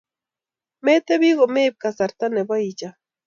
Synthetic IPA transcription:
met̪ebiɣomeːp̚kasaɾt̪anebaid͡ʒa

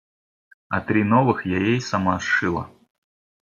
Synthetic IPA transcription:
ɐt̪ɾʲinɔvɨxjajejsɐmaʂɨlˠɐ̰

